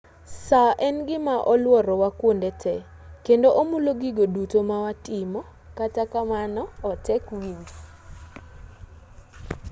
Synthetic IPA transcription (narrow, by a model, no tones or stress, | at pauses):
saʔɛnɡɪmaʔɔlwɔɾɔwakwondɛtʰɛ | kendoʔomuloɡiɡodutomawatɪmɔ | katakamanɔːtɛkwiɲd͡ʒ